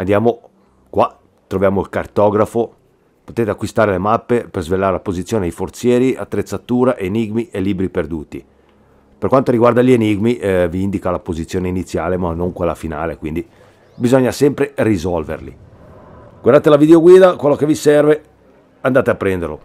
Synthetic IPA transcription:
and̪jaːmo | kwa | t̪ːɾovjaːmoilkart̪ɔːɡɾafo | pot̪eːt̪eakːwist̪aːɾelemapːeperzvelːaɾelapozit̪sjoːneajfort̪sjɛːɾia̰t̪ːɾet̪sːat̪uːɾaʔeniɡmiʔelːiːbɾiperd̪uːt̪i | perkwant̪oɾiɡward̪aʎeniɡmiviind̪ikalapozit̪sːjoːneinit̪sːjaːlemanːoŋkwelːafinaːlekwind̪i | bizɔɲːasɛmpɾerizɔlvḛrlḭ | ɡ̥waɾrd̪at̪elavid̪eoɡwiːd̪akwelːokevisɛrve | and̪aːt̪eapːɾɛnd̪erlo̰

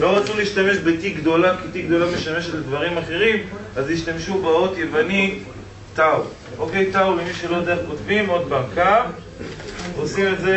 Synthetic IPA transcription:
lo̞ʁat͡suliːʃtame̞ʃbetiɡd̪o̞lakit̪iɡ̚d̪o̞lame̞ʃame̞ʃetled̪vaʁimaχe̞ʁimaziʃtamʃubaot̪je̞vani | taw | ʔoke̞jtawlemiʃelo̞d̪eeχko̞tvimo̞d̪̚baka | osimetze

